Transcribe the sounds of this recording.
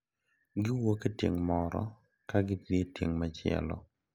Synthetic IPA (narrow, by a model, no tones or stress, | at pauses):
ɡɪwoketjeŋmɔɾɔ̰ | kaɡɪtetjḛŋmat͡ʃɪɛ̰lɔ̰